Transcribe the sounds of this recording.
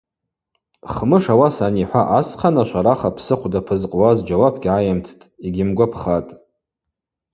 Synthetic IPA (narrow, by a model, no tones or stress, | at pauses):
χmɨʂawasaniħʷaʔasqʰanaʃʷaɾaχapʰsɨqʷʰdapʰɨzqʼwazd͡ʒawapʰɡʲʕajamtʰtʼiɡʲɪmɡʷapʰχatʼ